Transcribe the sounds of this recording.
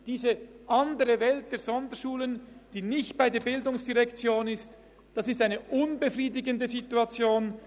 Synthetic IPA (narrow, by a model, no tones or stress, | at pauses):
d̥iːzəʔɑndəʁəvɛlt̚d̥eːɐz̥ɔndəʃuːlənd̥iːnɪçtb̥aɪdeːɐbɪldʊŋsd̥iʁɛkt͡sjoːnɪst | d̥ɑsɪstaɪnəʔʊnbəfʁiːdɪɡəndəzituɑt͡sjoːn